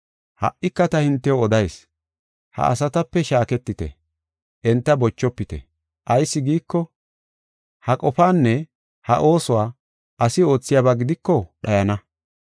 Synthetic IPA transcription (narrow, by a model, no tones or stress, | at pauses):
hɐ̰ʔːɪkːɐt̪ɐhɪnt̪ːɛjɔɔd̪ɐjs | hɐ̰ʔɐ̰sɐt̪ɐpːɛʃaːkɛt̪ːɪt̪ɛ̰ | ʔɛnt̪ːɐbɔt͡ʃːɔpːɪt̪ɛ̰ | ʔɐjsːɪɡiːkːɔ | hɐkʼɔfaːnːɛ | hɐ̰ʔo̞ːsɔwaː | ɐsɪo̞ːt͡sːɪjaːbaːɡɪd̪ɪkːɔɗɐjɐnɐ